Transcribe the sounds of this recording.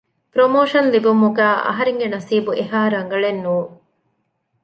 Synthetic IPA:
pɾomoːʂɐnlibumuɡæːʔɐ̰ɦɐɾeŋɡenɐsiːbuʔeɦaːɾɐŋ̆ɡɐɭenːuː

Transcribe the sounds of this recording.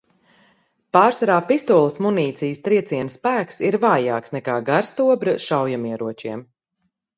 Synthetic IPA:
paːɾsaɾaːpist̪uɔlˠəsmuniːt̪sijst̪ɾiɛt̪siɛnsːpæːksiɾvaːja̰ːksnɛkaːɡaɾst̪uɔbɾɐʃawjamiɛɾuɔt͡ʃiɛm

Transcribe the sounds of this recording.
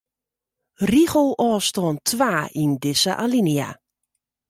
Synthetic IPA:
riɣəlˠɔːstɔːntʰwaːindɪsəʔa̰linja̰

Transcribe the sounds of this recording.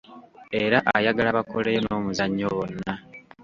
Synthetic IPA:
eɾaʔajaɡalaβako̞lejono̞ːmuzaɲːoβonːa

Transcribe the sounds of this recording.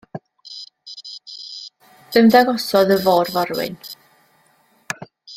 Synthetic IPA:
ð̥əmðaɡɔsɔðəvɔrvaɾwɪ̰n

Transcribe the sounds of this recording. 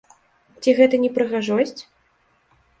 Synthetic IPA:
t͡sʲiɣɛt̪ɐnʲɛpɾɨɣaʐɔsʲt͡sʲ

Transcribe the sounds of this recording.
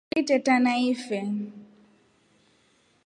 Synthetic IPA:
itʼɛtanaifɛ

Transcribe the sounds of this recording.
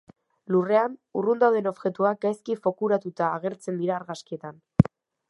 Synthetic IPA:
lure̞anurund̪awðe̞no̞βʝe̞t̪uak̚ɡajskifo̞kuɾat̪ut̪aːɣ̞e̞ɾt͡se̞nd̪iɾaːɾɣaskie̞t̪an

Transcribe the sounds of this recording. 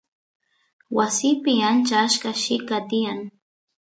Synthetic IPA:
wasɪpɪant͡ʃaːʃkaʃɪkat̪ɪjaŋ

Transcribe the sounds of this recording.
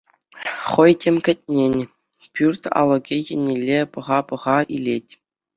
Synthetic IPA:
χɤ̆jtʲemʲkʲɘ̆t̚ʲnʲenʲ | pʲyrt̪ʲɑ̰lˠɤ̆ɡʲikʲɘ̆nʲilʲːepɤ̆ʁɑpɤ̆ʁɑʔilʲetʲ

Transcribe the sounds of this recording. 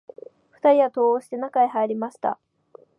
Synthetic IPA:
ɸɯ̟̥t̪aɾʲiβat̪o̞ːoːɕi̥t̪e̞nakaehaeɾʲimaɕi̥t̪a̰

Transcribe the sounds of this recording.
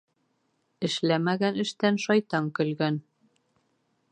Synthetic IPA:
ɘ̆ʃlæmæɡænɘ̆ʃt̪ænʃɒjt̪ɑŋkɵ̆lɡæn

